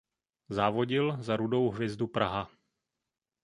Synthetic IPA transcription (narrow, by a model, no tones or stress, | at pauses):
zaːvo̞ɟɪlzaɾudo̞wɦvjɛzdupɾaɦa